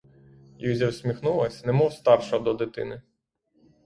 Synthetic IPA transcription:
juzʲɛwsʲmʲixnulˠɐsʲnɛmɔwst̪ɑrʃɔɦɔd̪ɔd̪ɪt̪ɪ̰nɪ

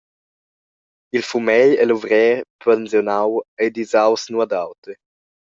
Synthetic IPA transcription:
ilfumɛʎɛluvɾɛːɾpɛnzjonawɛjd̪izawsnuad̪awt̪e

